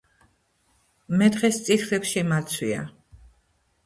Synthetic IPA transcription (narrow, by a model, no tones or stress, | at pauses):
mɛd̪ʁɛst̪sʼit̪ʰlɛpʃimat̪sʰwia̰